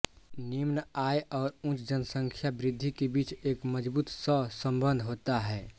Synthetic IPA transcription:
nimnaːjɔːɾũt͡ʃd͡ʒənəsə̃ŋkʰjabɾɪd̪ʱːikebiːt͡ʃeːkməd͡ʒbuːt̪səsə̃mbə̃nd̪ʱɦoːt̪aɦɛː

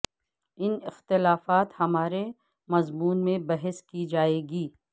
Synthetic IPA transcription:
ɪnɪxt̪ɪlaːfaːt̪hɐmaːɾe | mɐzmuːnmẽbɐɦɛskid͡ʒaːeːɡiː

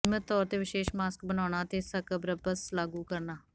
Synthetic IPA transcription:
mət̪ːɔːɾt̪eːʋɪʃeːʃmaːskbənaːnaːt̪eːsəkbɾəbəslaːɡuːkəɾnaː

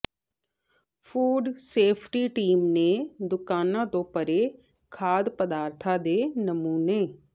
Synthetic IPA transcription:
fʰuːɖseːpʰʈiʈiːmned̪ʊkaːnãt̪õpəɾe | kʰaːd̪pəd̪aːɾt̪ʰad̪enɐmuːneː

